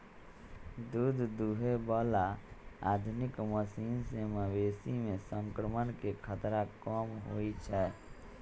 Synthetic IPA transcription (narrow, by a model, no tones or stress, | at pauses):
d̪uːd̪ʱd̪uɦebɔlaaːd̪ʱʊnɪkməsiːnseməweːsimẽsə̃ŋkɾəmənkekʰət̪ɾakɔːmɦoit͡ʃʰɛː